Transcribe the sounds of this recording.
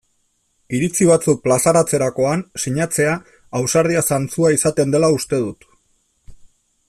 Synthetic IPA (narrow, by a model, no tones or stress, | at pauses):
iɾit͡siβ̞at͡suk̚plasaɾat͡se̞ɾako̞ansiɲat͡se̞aː | wsaɾð̞iasant͡suaisat̪e̞nd̪e̞laust̪e̞ð̞ut̪